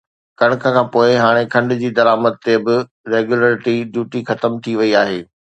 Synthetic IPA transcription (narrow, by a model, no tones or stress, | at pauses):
kɐɽ̃̆kʰəkʰãːpoːɪɦaːɽ̃ekʰɐ̃ɳɖd͡ʑiːd̪ɐɾaːməd̪̚t̪ebɪ | ɾeːɡjuləːɾɪʈiɖjuːʈixɐt̪əmt̪ʰiʋɐiaːɦeː